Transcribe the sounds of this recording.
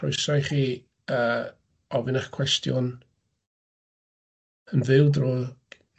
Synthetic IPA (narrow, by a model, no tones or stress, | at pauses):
ɔjsajχiː | əː | ɔvɪnaχkʰwɛstjɔ̰n | ənvɪlˠdro̥ː